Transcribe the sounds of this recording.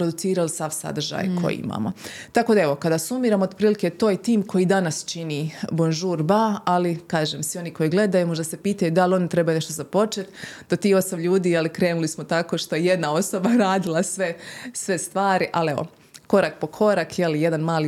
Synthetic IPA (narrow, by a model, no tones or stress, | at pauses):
pɾod̪ut̪siːɾalisaʋsa̰d̪r̩ʒa̰jkʰo̞̰jḭḭma̰mo̰t̪akoːd̪ae̞ʋo̞kad̪asumiːɾamood̪pɾiːliket̪oːjt̪iːmko̞jid̪anast͡ʃinibonʒuːɾbaalikaːʒemsʋio̞niko̞jiɡle̞d̪ajumo̞ʒd̪ase̞piːt̪ajud̪alo̞nit̪ɾe̞bajune̞ʃt̪o̞zapo̞t͡ʃet̪d̪ot̪iːo̞samʎuːd̪iːjalikɾe̞ːnulismot̪ako̞ʃt̪o̞jeje̞d̪nao̞so̞baɾaːd̪ilˠasʋe̞sʋe̞st̪ʋaːɾiʔaleʋo̰ | ko̞ɾak̚po̞kʰo̞ɾakjelijed̪anmaːli